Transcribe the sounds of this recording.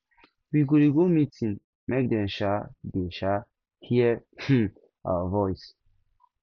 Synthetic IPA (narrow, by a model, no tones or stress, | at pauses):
wiɡoɾiɡomitĩn | mek̚dɛ̃nʃadɛʃa | hiə | a̰avɔjs